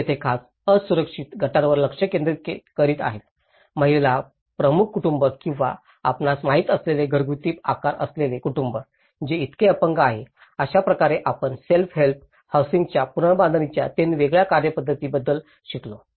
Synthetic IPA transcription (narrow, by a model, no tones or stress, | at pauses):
et̪ʰekʰas | əsuɾəkʂit̪ɡʱəʈaɾʋəɾləkʂəkend̪ɾit̪̚ekəɾiːt̪a̰ɦet̪̚ | məɦilela | pɾəmukʰːuʈumbəkĩw̃ʋa̰ | apnasmaɦiːt̪əsleleɡʱəɾɡut̪iːpa̰kaɾʔə̰slelekuʈumbə | d͡ʑeit̪keəpəŋɡaɦe | əɕapɾəkaɾeʔapəɳselfɦelp̚ | hawsiŋɡt͡ɕjapuɾɳbãnd̪ənit͡ɕja̰t̪eniʋeɡɭjakaɾjəpəd̪ʱːət̪iːbəd̪ːəl | ɕiklo